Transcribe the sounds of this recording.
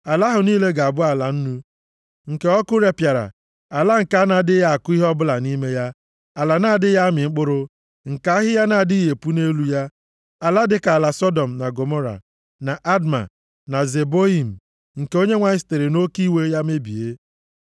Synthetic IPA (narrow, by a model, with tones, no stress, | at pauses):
a˨la˦ɦʊ˨niː˦le˦ɡa˨a˨bʊ˦a˨la˨n̩˦nu˦ | ŋ̩˨ke˦ɔ˦kʊ˦ɾe˨pja˨ɾa̰˨ | a˨la˦ŋ̩˨ka˦na˨˦dɪ˦ja˨a˨kʊ˦i˦ɦɔ˦bʊ˦la˨ni˦me˦ja˦ | a˨la˨naː˦˨dɪ˦ja˦mɪ˨ŋ͡m̩˦k͡pʊ˦ɾʊ˦ | ŋ̩˨ka˨˦ɦɪ˦ja˦na˨di˦je˨pu˦ne˦lu˦ja˦ | a˨la˦dɪ˦ka˨a˨la˨sɔ˦dɔ˨m̩˨na˨ɡo˨mo˦ɾa̰˨ | na˨ʔa˦dma̰˨ | na˨ze˨bo˦i˨m̩˨ | ŋ̩˨ke˨o˦ɲe˦ŋʷa˦ɪ˦s̬te˨ɾɪ˨no˦ki˦we˦ja˦me˦bḭ˨e˦